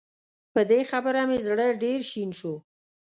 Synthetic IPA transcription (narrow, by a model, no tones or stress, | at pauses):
pəd̪exabəɾamezɽəɖeɾʃinʃu